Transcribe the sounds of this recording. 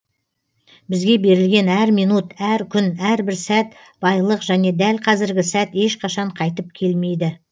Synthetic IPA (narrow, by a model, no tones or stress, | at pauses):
bɪzɡʲe̞be̞ɾɪlɡʲe̞næɾmijnut̪æɾkʲʰʏnæɾbɪɾsæt̪ | b̥ɑjlˠəqʒæne̞d̪ælqʰɑzɪɾɡʲɪsæt̪e̞ʃqʰɑʃɑɴqʰɑjt̪əp̚kʲʰe̞lme̞jd̪ɪ